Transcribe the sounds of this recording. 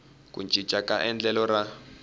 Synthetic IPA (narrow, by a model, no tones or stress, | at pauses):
kʼṵnd͡ʒʱi̥t͡ʃʼakʼaʔɛnd͡ɮɛlɔɾa